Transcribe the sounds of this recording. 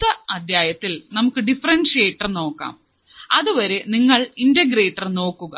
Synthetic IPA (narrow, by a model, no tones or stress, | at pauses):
t̪ːɐɐd̪jaːjɐt̪ːilnɐmukːɨɖifɐrɐnʂeːʈːɐrno̞ːkːa̰ːm | ɐðuʋɐɾe̞niŋːɐɭindeɡɾeːʈːɐrno̞ːkːuɣɐ̰